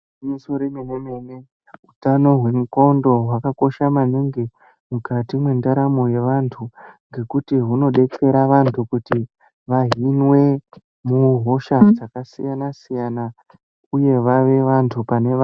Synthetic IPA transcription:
misoɾemenemene | ɦutano̞ɦwe̞muko̞ndo̞ɦwakako̞ʃamaniŋɡe | mukatimwe̞ndaɾamoje̞ʋantʰuŋɡe̞kutiɦuno̞ɗe̞ke̞ɾaʋantʰukuti | ʋaɦinwe̞ | muɦo̞ʃad͡zakasijanasijana | uje̞ʋaʋe̞ʋantʰupane̞

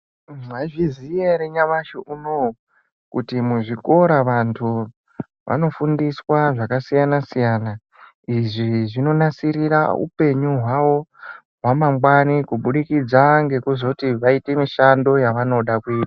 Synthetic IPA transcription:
aiʐizijeɾeɲaʋaʃeʔuno | kutimuʐiko̞ɾaʋantʰu | ʋa̰no̞fundiswaʐakasijanasijana | iʐiʐino̞nasiɾira̰ṵpe̞ɲuɦwawo̞ | ʋamaŋɡwanikuɓuɗikid͡zaŋɡe̞kuzo̞tiʋaite̞miʃando̞jaʋano̞ɗakuiːta

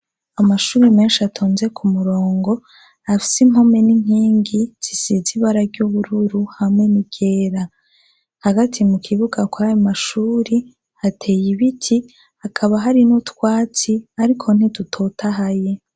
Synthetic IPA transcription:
amaʃuːɾime̞ːnʃiatʰoːnze̞kʰumuɾo̞ːŋɡo̞ | afi̥sim̥ho̞me̞niŋ̥iːŋɡiz̥isiziβaɾaɾɟuβuɾuɾuhamŋe̞niɡ̥e̞ːɾa | haɡatʰimukʰiβuɡakwoajomaʃuːɾi | hatʰe̞jiβitʰi | hakʰaβaɦaɾinutkwaːt͡siaɾikʰo̞n̥itutʰo̞tʰaɦaje̞

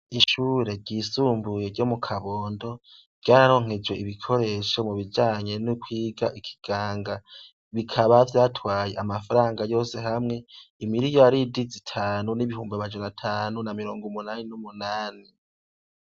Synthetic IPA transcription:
iʃuːɾe̞ɾɟiːsuːmbuje̞ɾɟo̞mukʰaβoːndo̞ | ɾɟaːɾaɾo̞ŋ̥ed͡ʒwe̞iβikʰo̞ɾe̞ːʃo̞muβid͡ʒaːɲe̞nukwiːɡaʔikʰi̥ɡ̥aːŋɡa | βikʰaβavjaːtwaːje̞̰ʔamafaɾaːŋɡajo̞ːse̞hamŋe̞imiɾijoaɾidizitʰaːnuniβihuːmbiamad͡ʒanatʰaːnunamiɾo̞ːŋɡumunaːninumunaːni

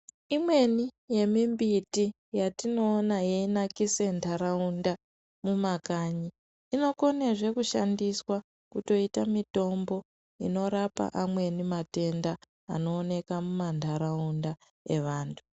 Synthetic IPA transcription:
imwe̞nije̞mimbiti | jatino̞ːnajeinakise̞ntʰaɾaunda | mumakaɲiː | no̞ko̞neʐe̞kuʃandiswa | kuto̞itamito̞mbo̞ | ḭno̞ɾapa̰ʔamwe̞nimate̞nda̰ː | no̞ːne̞kamumantʰaɾaunda | e̞ʋaːntʰu̥

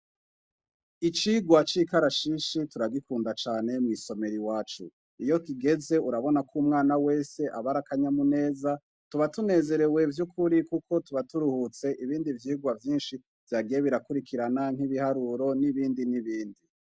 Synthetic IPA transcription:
it͡ʃiːɡwat͡ʃiːkaɾaʃiʃituɾaɡikuːndat͡ʃaːne̞mŋiso̞me̞ɾiwaːt͡ʃṵ | ijo̞kiɡe̞ze̞uɾaβo̞nakʰumŋaːnawe̞ːse̞ʔaβaɾakaɲamune̞ːza | tuβatune̞ːze̞ɾe̞we̞vjukʰuɾikukʰo̞tuβatuɾuhut͡se̞ʔiβiːndivjiːɡwavjiːnʃi | v̥jaɡijeβiɾakuɾikʰiɾanaŋ̥hiβihaɾuɾo̞niβiːndiniβiːndi

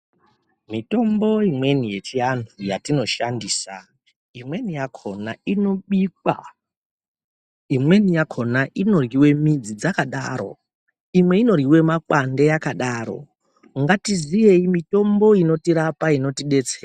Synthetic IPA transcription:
mito̞mbo̞imwe̞nije̞t͡ʃiantʰujatino̞ʃandiːsa | imwe̞nijakʰo̞naino̞ɓik̚wa̰ | imwe̞nijakʰo̞naʔino̞riwe̞mid͡zid͡zakaɗaɾo̞̰ | imwe̞ino̞riwe̞makwandejakaɗaːɾo̞̰ | ŋɡatizije̞imito̞mbo̞ino̞tiɾapaino̞tiɗe̞t͡seːra

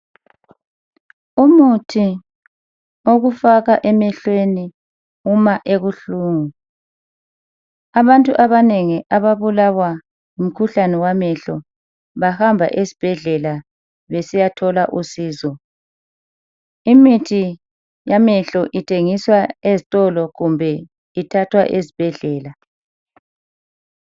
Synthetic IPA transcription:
umutʰi | oɣufaɣaʔɛmɛɬweni | umaʔeɣuɬuːŋu | aβantʼuʔaβaneŋiʔaβaβulawa | um̩kʰuɬanɛwamɛɬɔ | βahambʱa̰ʔesi̥b̥ʱɛɮɛla | βesijatʰɔlaʔusiːzɔ | imitʰi | jamɛɬɔʔitʰeŋiswaezitʼɔlɔɣumbʱɛ | itʰatʰwa̰ʔezib̥ʱɛɮɛːla

